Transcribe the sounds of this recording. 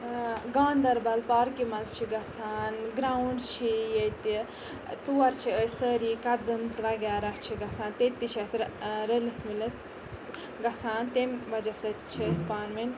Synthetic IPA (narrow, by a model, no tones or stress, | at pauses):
ɡaːnd̪ɐɾbɐlpaːɾkimɐnzt͡ʃʰiɡɐt͡sʰaːnɡɾawɳɖt͡ʃʰijet̪i | t̪uɐɾt͡ʃʰiəsəːɾikɐt̪zɨnzʋɐɡaːɾɐt͡ʃʰiɡɐsʰaːnt̪et̪ːit͡ʃʰasɾɾəlit̪ʰmilɐt̪ | ɡɐsʰaːnt̪embɐd͡ʒasɐt͡ʃʰiəspaːɾmin